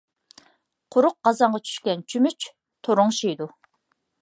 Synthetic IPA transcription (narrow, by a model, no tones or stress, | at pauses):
qʰʊɾʊq̚ɢɑzɑɴʁɑt͡ʃʰy̥ʃkʲɛnt͡ʃʰymyt͡ʃ | t̪ʰoɾʊŋʃijd̪u